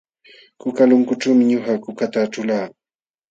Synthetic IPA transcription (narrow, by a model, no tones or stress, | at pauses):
kʊkalʊŋkʊʈ͡ʂawmɪɲʊxakʊkat̪aʈ͡ʂʊlaː